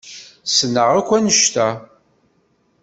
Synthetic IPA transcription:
sənːəʁækʷːænəʃt̪æ

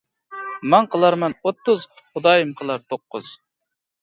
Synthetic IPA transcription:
mɛŋqʰəlˠɑɾmɑnot̪ʰːʊzχʊd̪ɑːjɨmqʰəlˠɑɾt̪ʰoqːʊ̰z̥

